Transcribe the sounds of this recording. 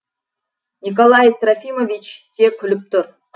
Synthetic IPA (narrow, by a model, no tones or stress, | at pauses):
nʲikolˠɑjt̪rafʲimovʲit͡ɕt̪ʲekʰʲɵlʲɵp̚t̪ʊr